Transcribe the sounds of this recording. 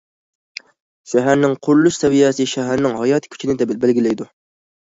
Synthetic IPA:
ʃæɦæɾnɪŋqʰʊɾlˠuʃsɛvijɛsɨʃæɦæɾnɪŋhɑjɑːt̪ʰɪ̥kʲʰy̥t͡ʃʰinɪd̪ɛbælɡʲilɛjd̪u

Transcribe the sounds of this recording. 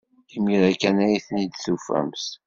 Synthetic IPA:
imiɾækænæjiθnid̪θufæ̰ms

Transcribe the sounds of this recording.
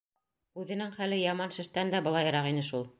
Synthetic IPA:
ʉðɘ̆nɘŋχælɘjɑmɑnʃɘ̆ʃt̪ænd̪æbɤ̆lˠɑjɤ̆ɾɑqinɘʃulˠ

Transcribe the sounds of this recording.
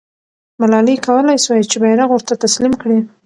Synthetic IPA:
malɑlikawəlajswajt͡ʃebajɾaɣwoɾt̪at̪aslimkɽi

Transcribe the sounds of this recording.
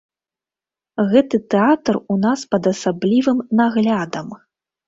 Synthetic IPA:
ɣɛt̪ɨt̪ɛat̪runaspɐd̪ɐsablʲivɨmnaɣlʲad̪ɐm

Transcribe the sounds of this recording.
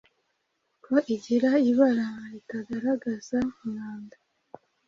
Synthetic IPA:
koʔiɟiɾaiβaɾamaitaɡaɾaɡazamuŋaːnda

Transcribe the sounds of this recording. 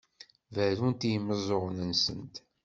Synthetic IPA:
væɾunt̪jəməzˤoʁnənsə̰nt̪

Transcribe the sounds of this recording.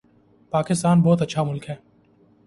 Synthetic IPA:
paːkɪst̪aːnbɔːt̪ɐtːʃʰamʊlkɦɛː

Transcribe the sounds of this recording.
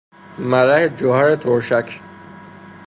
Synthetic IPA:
mæɾæhed͡ʒoɦæɾet̪ʰoɾʃækʰ

